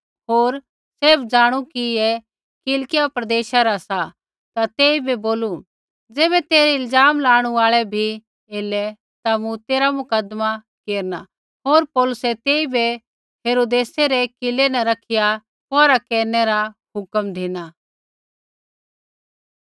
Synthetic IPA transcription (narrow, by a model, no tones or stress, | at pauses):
ɦoːɾ | seːbd͡zaːɽ̃ukiɛ | kɪlkɪjapɾɐd̪eːʃaɾasa | t̪at̪eːibeboːlu | d͡zɛːβɛt̪eːɾɛɪld͡zaːmlaːɽ̃ũaːɭɛbʱi | eːlɛ | t̪amũt̪eːɾamʊkəd̪ma | keːɾna | ɦoːɾpɔːlʊsɛt̪eːibʱɛ | ɦeːɾoːd̪eːseɾɛkɪlenɛ̃ɾɐkʰɪja | pɔːɾakɛːɾnɛɾaɦʊkəmd̪ʱeːña